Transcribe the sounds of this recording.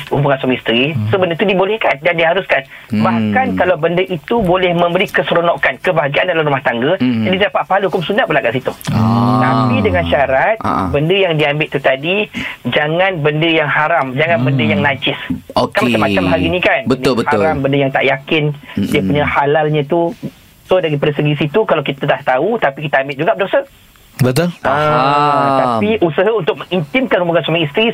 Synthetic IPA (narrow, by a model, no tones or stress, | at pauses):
ubuŋansɔŋist̪ɾisəbəndət̪udibolɛhkandandiɦaɾuskan | bahkankalawbəndəʔit̪ubolɛhmə̃mbəɾikəsəɾonɔʔkankəbaɦaɡiandalamɾumaht̪aŋɡəd͡ʒadididapaʔ̪̚paɦalhukʊmsunaʔ̚bəlakaʔsit̪ut̪ampidəŋanʃaɾat̪̚a̰bəndəjaŋdiambɪʔt̪ut̪adid͡ʒaŋãnbəndəjaŋhaɾamd͡ʒaŋãnbəndəjaŋnãd͡ʒɪsokanmat͡ʃamːat͡ʃamɦaɾinĩkanbəʊlbətaɾambəndəjaŋt̪a̰ʔjakɪndiəpuɲãhalalɲãt̪u | sodaɾipadəsəɡisit̪ukalawkit̪adaht̪aut̪apikit̪əambɪtʔ̚d͡ʒuɡaʔpədsə | bət̪ʊlʔə | t̪apiʔusəɦaunt̪ʊk̚məŋint̪ɪmkanubaŋansamãist̪ɾi